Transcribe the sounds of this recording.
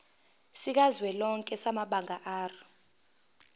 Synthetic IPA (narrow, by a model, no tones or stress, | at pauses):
sik̬azwɛlɔŋkʼɛsamaɓaŋaʔaːrɔ